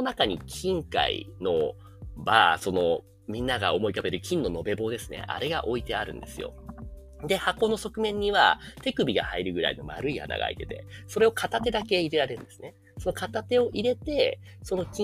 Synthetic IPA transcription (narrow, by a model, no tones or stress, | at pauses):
onakaɲ̟ikʲʰĩŋka̰ḭno̞ | baso̞no̞ | mʲĩnːaɡao̞mo̞ikabe̞ɾɯ̟kʲĩnːo̞no̞be̞bo̞ːd̪e̞sɨ̥ne̞̰ʔa̰ɾe̞ɡa̰ʔo̞it̪e̞aɾɯ̟̰̃nd̪e̞sɨ̰jo̞̰ | d̪e̞hako̞ːnoso̞kɯ̟mẽ̞ɲ̟ːiβa̰t̪e̞kɯ̟bʲiɡa̰haiɾɯ̟ɡɯ̟ɾa̰ino̞ma̰ɾɯ̟ia̰na̰ɡa̰it̪e̞̥t̪e̞so̞ɾe̞o̞kʰat̪at̪e̞d̪ake̞iɾe̞ɾaɾe̞ɾɯ̟nd̪e̞sɨne̞ | so̞no̞kat̪at̪e̞o̞ʔiɾe̞t̪e̞so̞no̞kʲi